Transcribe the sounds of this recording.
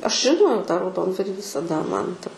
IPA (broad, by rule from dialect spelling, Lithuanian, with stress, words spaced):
ˈɐʃ ʒʲɪˈnoːjɛʊ tɑː rɐʊˈdoːndʋɐrʲiː ʋʲɪsɐˈdɐ kɐt ʋʲɪsɐˈdɐ ˈmɐn tɐ